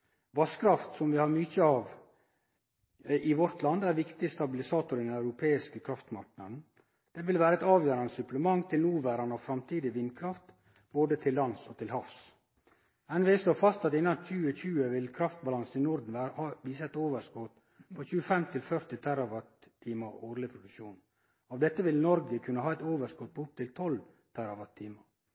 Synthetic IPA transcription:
ʋɑskɾɑft̪sɔmʋɪhɑɾmʏçəɑʋ | ɪʋɔɾt̪ʰlɑnd̪æɾʋɪkt̪ɪst̪ɑbɪlɪsɑːt̪ʊɾɪd̪ɛnɑʉɾʊpʰeːɪskəkʰɾɑft̪mɑ̰ɾknɑ̰d̪n̩ | d̪̥ɛʋɪlʋæːɾɛt̪ɑːʋjøːɾɑnd̪əsʉpləmɑŋːt̪ʰɪlnuːʋæɾɑnəɑʋfɾɑmt̪ʰiːd̪ɪʋɪnkʰɾɑft̪ | boːd̪ət̪ʰɪlːɑnsɔt̪ʰɪlhɑfs | ɛnʋɛɪsloːfɑst̪ɑt̪ɪnːɑnçʉːəçʉːəʋɪlkʰɾɑft̪̚bɑlɑnsn̩ɪnʊɾd̪n̩ʋæːhɑʋiːsəɛt̪oːʋəskɔt̪ | pʰoːçʉːəfɛmt̪ʰɪlfœɾt̪ɪt̪ʰæɾɑʋɑt̪ːʰiːməɾoːɾlɪpʰɾʊd̪ʉkʂuːn | ɑʋd̪ɛt̪ːəʋɪlnɔɾɡəkʰʉnːəhɑːɛt̪oːʋəʂkɔt̪̚pʰɔʊp̚t̪ʰɪlt̪ʰɔl | t̪ʰæɾɑʋɑt̪ʰːiːməɾ

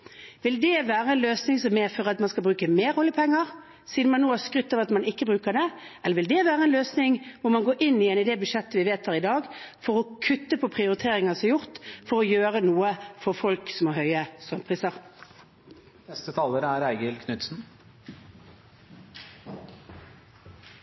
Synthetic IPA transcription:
ʋɪld̪ɛʋæːʁəɛnløːsnɪŋsɔmːeːfɔʁɑt̪mɑnskɑbʁʉːkəmeːɾhɔljəpʰɛŋːəʁ | siːd̪̩mɑnːuːhæskʁʏt̪ːɑʋɑt̪mɑnɪkːəbɾʉːkəd̪ɛʔɛlːəʋɪld̪ɛʋæːɾəɛːnløːsnɪŋʋʊɾmɑnɡoːɾʔɪnːɪɛːnɪd̪ɛbʉʂɛt̪ːəʋɪʋeːt̪hɑːʁɾɪd̪ɑːɡfɔʁɔkʰʉt̪ːəpʰɔpʰʁɪʊɾɪt̪ʰeːɾɪŋɑsɔjʊʁt̪fɔɾɔjøːʁənuːəfɔʁfɔlksɔmoːɦœʏəsɔmt̪pʰʁiːsəʁ | nɛst̪ət̪ʰɑːləɾəæɾæɪɡəlkʰnʉt̪sn̩

